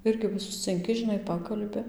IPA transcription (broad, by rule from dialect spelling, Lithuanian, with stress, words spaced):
ˈɪrʲɡʲɪ ʋɐ sʊsʲt͡sʲɪŋʲˈkʲɪ ʒʲɪˈnɐɪ ˈpɑːkɐlʲbʲɪ